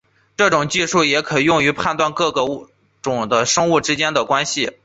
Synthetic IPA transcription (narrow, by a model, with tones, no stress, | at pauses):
ʈ͡ʂɤ˥˩ʈ͡ʂʊ˨˩ŋt͡ɕi˥˧ʂu˥˩jɛ˧˥kʰɤ˨˩jʊ˥˩ŋy˧˥pʰa˥˧nt̪wa˥˧nkɤ˥˩ɡə˩˥˩ | ʈ͡ʂʊ˨˩ŋd̪ə˦ʂɤ˥ŋu˥˩ʈ͡ʂɻ̩˥t͡ɕjɛ˥nd̪ə˨kwa˥nɕi˨˩